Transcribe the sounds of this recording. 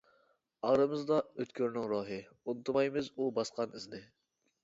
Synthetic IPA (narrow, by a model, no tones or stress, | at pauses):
ɑʁɾɨmɨzd̪ɑøt̪kʲʰøɾnɪŋɾoːɦɨ | unɨt̪ʰmɑjmɨzubɑsqʰɑnɪznɪ